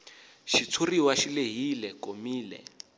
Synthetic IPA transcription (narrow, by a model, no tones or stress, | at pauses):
ʃit͡sʰuriwaʃileɦilɛkʼomiːlɛ̰